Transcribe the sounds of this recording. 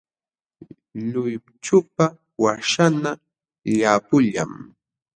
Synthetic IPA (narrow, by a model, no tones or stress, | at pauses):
ʎʊj | t͡ʃʊpa | waʃana | ʎapʊʎa̰m